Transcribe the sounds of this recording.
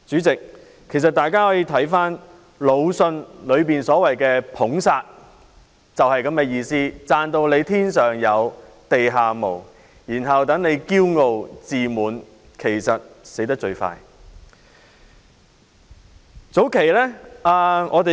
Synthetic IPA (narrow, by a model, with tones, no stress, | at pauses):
t͡syː˨˥t͡sɪ˨k̚ʰː | e˨˩js̬ɐ˨t̚t̪aː˨jkaː˥hɔː˨˥jiː˧t̪ʰɐ˨˥jfaː˥n | lo˨˧wsɵ˧nlɵ˨˧ɥpiː˨nsɔː˨˥wɐ˨˩jkɛː˧pʰʊ˨˥ŋsaː˧t̚ | t͡sɐ˨whɐ˨jkɐ˨˥mkɛː˧jiː˧siː˥t͡saː˨˧nt̪o˧wle˨˧jt̪ʰiː˥nsœː˨˩ŋjɐ˨˧w | t̪e˨jɦaː˨mo̰˨˩w | jiː˨˩nɦɐ˨wt̪ɐ˨˥ŋne˨˧jkiː˥wŋo˨wt͡siː˨muː˨n | kʰe˨˩jsɐ˨t̚se˨˥jt̪ɐ˥k̚t͡ʃɵ˧ɥfa̰ː˧j | t͡so˨˥wkʰe˨˩jlɛː˥aː˨˧ŋʔɔ̰ː˨˧d̪e˨